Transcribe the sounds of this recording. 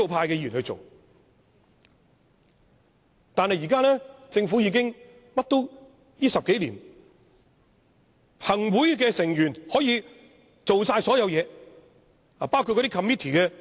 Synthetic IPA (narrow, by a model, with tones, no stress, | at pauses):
o˨˧wpʰaː˧jkɛː˧jiː˨˩nhɵ˧jt͡so̰˨w | t̪aː˨nhɐ˨jiː˨˩kaː˥lɛː˥t͡sɪ˧ŋfuː˨˥jiː˧k̬ɪ˥ŋ | mɐ˥t̚t̪o˥w | jiː˥sɐ˨p̚ke˨˥jliː˨˩n | pʰɐ˨˩ŋwuː˨˥jk̬ɛː˧sɪ˨˩ŋjyː˨˩nhɔː˨˥jiː˧ | t͡so˨wsaː˧jsɔː˨˥jɐ˨˧wjɛː˨˧ | a˨paː˥wku˧kːɔ˧˥t̪i˥kʰɐ˨miː˥t̪ʰiː˨kɛː˧